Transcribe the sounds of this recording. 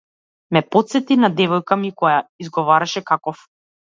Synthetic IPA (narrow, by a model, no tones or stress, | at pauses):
mɛpɔt̪sɛt̪inad̪ɛvɔjkamikɔjaizɡɔvaɾaʃɛkakɔf